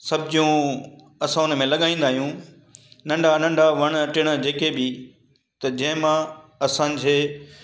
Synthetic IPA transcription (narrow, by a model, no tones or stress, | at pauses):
sɐbɪd͡ʑijũ | ɐsãʊnəmẽlɐɠaːĩːn̆d̪aːɦijũ | nɐ̃ɳɖʱanɐ̃ɳɖʱaʋɐɽ̃ʈɪɽ̃ə̆d͡ʑeːkebɪ | t̪ɐd͡ʑɐ̃ɦɪ̃mãɐsã̆ːd͡ʑeː